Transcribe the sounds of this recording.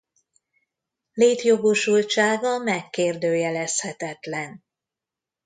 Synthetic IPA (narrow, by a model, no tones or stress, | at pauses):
leːt̪jo̞ɡo̞ʃult͡ʃaːɡɒmɛkːeːrd̪øːjɛlɛshɛt̪ɛt̪lɛn